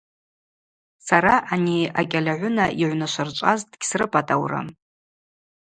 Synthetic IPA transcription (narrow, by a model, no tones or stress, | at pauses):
saɾaʔaniakʲʼalʲaʕʷʊnaʔiʕʷnaʃʷart͡ʃʷʼazdɡʲsrɨpʼatʼawra̰m